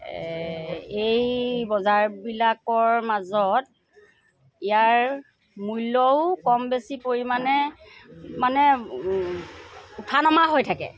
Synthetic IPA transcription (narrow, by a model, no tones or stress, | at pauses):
ejbɔzaɹbilakɔɹmazɔt | ijaɹ | mujlɔʊkɔmbesipoɹimanɛ | manɛ | utʰanɔmaɦojtʰakɛ̰